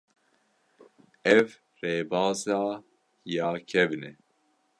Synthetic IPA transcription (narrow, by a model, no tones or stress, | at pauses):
ɛv | reːbɑːzaː | jɑːkʰɛvnɛ